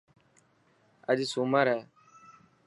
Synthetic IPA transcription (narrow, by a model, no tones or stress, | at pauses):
əʄsuːməɾɛː